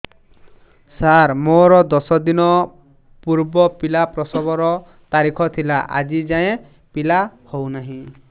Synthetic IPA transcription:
saɾmoɾɔd̪ɔsɔd̪inɔ | puɾbɔpilapɾɔsɔbɔɾɔ | t̪aɾikʰɔt̪ʰilaʔa̰d͡ʒid͡ʒaẽ | pilahownaɦĩ

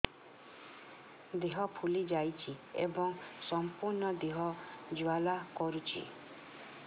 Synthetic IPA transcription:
d̪iɦɔpʰulid͡ʒajt͡ʃʰiḛbɔŋsɔmpuɾnɔd̪iɦɔd͡ʒualakɔɾut͡ʃʰḭ

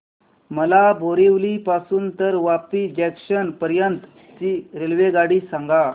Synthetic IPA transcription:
məlabʱoɾeʋliːpasuːnt̪əɾʋapid͡ʑɛkɕənpəɾjənt̪ | t͡siɾelʋeɡaɽiːsãŋɡa

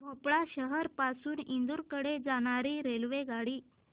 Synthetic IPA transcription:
ɡʱopɭaɕəɦəɾpasuːnind̪uɾkəɽed͡zaɽ̃aɾiːɾelʋeɡaɽiː

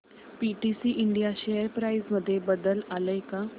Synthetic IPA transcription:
piʈisiːʔiɳɖijaɕejəɾpɾaizməd̪ʱːjebəd̪əlaləjka

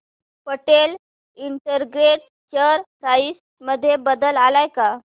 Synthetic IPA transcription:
pəʈel | iɳʈəɾɡɾeʈ̚ | t͡ɕəɾpɾais | məd̪ʱːjebəd̪əlalajka

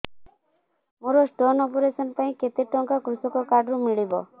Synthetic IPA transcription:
muɾɔsʈɔnɔpɔɾesɔnpaĩket̪eʈɔŋkakɾusɔkɔkaɖɾũmiɭibɔ̰

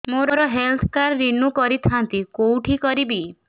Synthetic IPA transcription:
moɾɔɾɔɦelt̪ʰkaɾːinukɔɾit̪ʰant̪ikowʈʰikɔɾibi

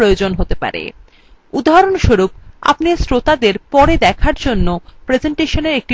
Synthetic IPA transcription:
ɾojod͡ʑonɦot̪epa̰ɾḛ | ud̪ʱaɦaɾonʃoɾup̚a̰pnisɾot̪ad̪eɾpɔɾed̪ɛkʰaɾd͡ʑonːopɾed͡ʑeɳʈeʃoneɾek̚ʈi

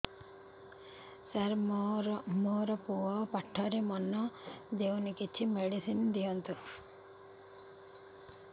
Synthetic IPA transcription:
saɾmɾmoɾɔpuɔpaʈʰːɔɾemɔnːɔd̪ewnikit͡ʃʰimeɽisind̪ijɔnt̪u

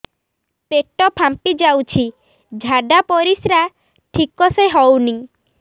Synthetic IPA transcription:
peʈɔpʰampid͡ʒawt͡ʃʰi | d͡ʒʱaɖapɔɾisɾa | ʈʰikɔseɦɔwni

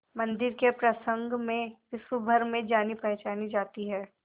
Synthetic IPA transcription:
mɐ̃nd̪ɪɾkepɾɐsə̃ŋɡmẽʋɪsʋubʱəɾmẽd͡ʒaːnipɛɦt͡ʃaːnid͡ʒaːt̪iɦɛː

